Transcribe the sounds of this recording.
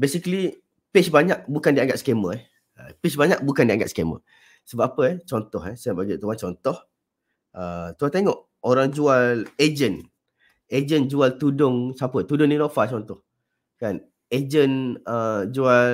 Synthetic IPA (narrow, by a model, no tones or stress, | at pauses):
besikəli | pɪsbaɲaʔ̚bukandiaŋɡat̪̚sə̥keməɛh | ə̰pɪsbaɲaʔbukandiaŋɡat̪skemə̰ | səbap̚ːapəɛt͡ʃɔnt̪ɔɦɛsəbaɡit̪uant͡ʃɔnt̪ɔh | ʔət̪uant̪eŋɔʔ | oɾaŋd͡ʒualed͡ʒən | ed͡ʒənd͡ʒualt̪udʊŋsapət̪udʊŋninofat͡ʃɔnt̪ɔh | kan | ed͡ʒənəd͡ʒual